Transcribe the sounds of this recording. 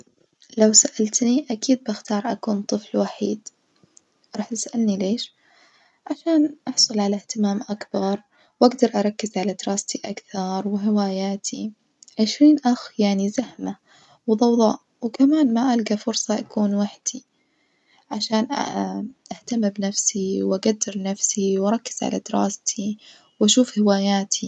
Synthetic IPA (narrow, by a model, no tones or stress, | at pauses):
lawsaʔalt̪niʔakiːd̪̚bɪxt̪ɑːɾˤʔa̰kuːnt̪ˤɨflwaħiːd̪ | ɾˤɑːħt̪ɪ̥sʔalnileːʃ | ʕaʃaːnʔɑħsˤʊlʕalaht̪ɪmaːmʔakbɑɾˤ | wʔaɡd̪ɑɾˤʔɑɾˤɑkːɪzʕalad̪ɾˤɑːst̪iʔakθɑɾˤwɪɦɪwaːjaːt̪ʰi | ʕɪʃɾiːnʔaxjaʕnizahma | wðˤɑwðˤɑ̰ːʔ | wkamaːnmaʔalɡafʊɾsˤɑʔakuːnwaħd̪̥i | ʕaʃaːn | ʔaht̪amɪbnafsiwʔaɡad̪ːɪɾnafsiwʔɑɾˤɑkːɪ̥z̥ʕa̰la̰d̪ɪɾˤɑ̰ːst̪ʰi | wʔaʃuːfhɪwaːjaːt̪ʰi